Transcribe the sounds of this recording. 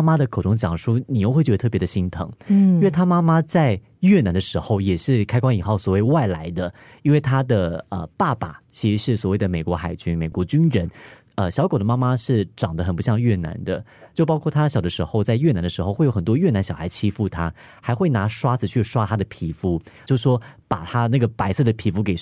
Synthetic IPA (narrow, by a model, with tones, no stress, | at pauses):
ma˥d̪ə˨kʰʈ͡ʂʊ˥ŋt͡ɕjɑ̰˨˩ŋʂu˥ni˨˩jo˥˧xe˥˩t͡ɕɛ˧˥ə˧ɤ˥˩pjɛ˧˥də˧ɕi˧˥nt̪ʰɤ̰˧˥˦ŋi˥we˥˧˩t̪ʰa˥ma˥ma˥t͡sa˥˧ɪ | ɥɛ˥˩na˧˥nd̪ə˧ʂɻ̩˧˥xo˥˩ʊjɛ˨˩ʂɻ̩˥˩kʰa˥ɪkwa˥ŋi˨˩xɑ˥˩ʊswɔ˨˩we˥˧ɪwa˥˩ɪla˧˥ɪd̪ə˧ | i˥nwe˥˩ɪt̪ʰa˥d̪ə˨ə˧pa˥˩pa̰˨˩t͡ɕʰi˧˥i˧˥ʂɻ̩˥˩swɔ˨˩we˥˩ɪd̪ə˩me˨˩ɪkwɔ˧˥xa˨˩ɪt͡ɕy˥nme˨˩ɪkwɔ˧˥t͡ɕy˥nɻə˧˥n | ə˧ɕjɑ˧˥ʊkd̪ə˦ma˥ma˧ʂɻ̩˥˩ʈ͡ʂɑ˨˩ŋd̪ə˦xə˨npu˧˥ɕjɑ˥˧ŋɥɛ˥˩na̰˧˥nd̪ə˧t͡ɕjo˥˩ʊpɑ˥ʊkʰwɔ˥˩t̪ʰa˥ɕjɑ˨˩ʊd̪ə˦ʂɻ̩˧˥xo˥˧ʊt͡sa˥˧ɪɥɛ˥˩na˧˥nd̪ə˧ʂɻ̩˧˥o˧ʊxwe˥˩jo˥xə˨˩nt̪wɔ˥ɥɛ˥˩na˧˥nɕjɑ˨˩xʰa˧˥t͡ɕʰi˥fu˥˩t̪ʰa˥ | xa˧˥ɪxwe˥˩ɪna˧˥ʂwa˥t͡sʰɹ̩˨˧t͡ɕʰy˥˩ʂwa˥t̪ʰa˥d̪ə˨pʰi˨˩fu˧˥t͡ɕjo˥˧ʊʂ̩˥˩ʂwɔ˥pa˨˩t̪ʰa˥na˥˩ɡə˩pa˧˥ɪsɤ˥˩d̪ə˩pʰi˨˧˥fu˧˥ke˨˩ɪ